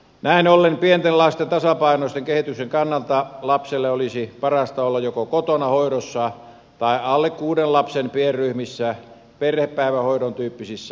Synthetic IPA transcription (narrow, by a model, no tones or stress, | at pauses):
næinolːempient̪enlɑst̪ent̪ɑsɑpɑinoˑist̪eŋkehit̪ykseŋkɑnːɑlt̪ɑlɑpselːeolisipɑrɑst̪ɑolːɑjjokokot̪onɑhoiɾosːɑ | t̪ɑˑiɑlːekkuːdenlɑpsenpierryhmisːæ | perheppæˑiʋæhoidont̪yːpːisisːæ